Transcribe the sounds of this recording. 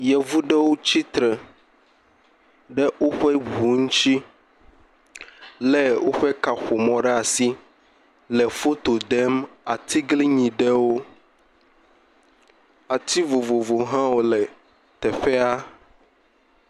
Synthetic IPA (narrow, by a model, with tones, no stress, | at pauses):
jɛ˨vu˦ɖɛ˦wo˦t͡ɕi˦t̪ɾɛ˨ | ɖɛ˦wo˦ɸɛ˦βu˨ŋu˦t͡ʃi˦ | lɛ˦wo˦ɸɛ˦ka˨xo˨mɔ̃˨ɖɛ˦a˨si˦ | lɛ˨fo˦t̪o˨d̪ɛ˦ma˨t̪i˦ɡli˦ɲĩ˨ɖɛ˦wo˦ | a˨t̪i˦vo˨vo˨vo˨ɦã˦wo˦lɛ˨ | t̪ɛ˨ɸɛ˦a˦